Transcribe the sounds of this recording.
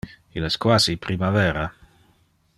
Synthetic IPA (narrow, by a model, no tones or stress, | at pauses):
ilɛskwaːzipɾimavɛːɾa